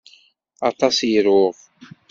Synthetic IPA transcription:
ɑt̪ˤɑsjəɾʊʁ

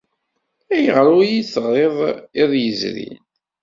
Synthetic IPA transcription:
æjəʁɾujit͡sːʁˤeðˤɪðˤjəzɾḭn

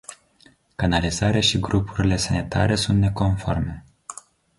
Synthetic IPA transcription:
kanalizaɾeaʃiɡɾupuɾile̞sanit̪ʰa̰ɾe̞sunt̪ne̞ko̞nfo̞rme̞

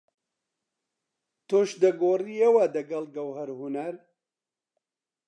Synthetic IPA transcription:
t̪oːʃd̪ɐɡoːriːewɐd̪ɐɡɐlɡɐwhɐɾhunɐɾ

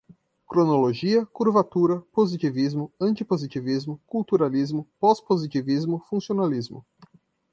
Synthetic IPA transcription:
kɾonoloʒiɐkuɾvat̪uɾɐpozit͡ʃ̪ivizmʊɐ̃nt͡ʃ̪ipozit͡ʃivizmʊkuwt̪uɾalizmʊpɔspozit͡ʃ̪ivizmʊfũsionalizmʊ̰

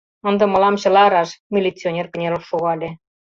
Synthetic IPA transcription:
ə̆nd̪ɤ̆mɤ̆lɑmɕɤ̆lɑɾɑʃmʲilʲit͡sʲːionʲerkə̆nʲelopʃuɣɑlʲe

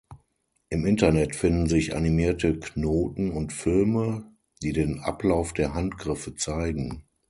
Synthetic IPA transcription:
ʔɪmɪntɐnɛtfɪndn̩zɪça̰nimiːɐtəkʰnoːtn̩ʊntfɪlmə | d̥iːdeːnʔa̰plaʊfd̥eːɐɦantɡ̥ʁɪfət͡saɪɡŋ̩

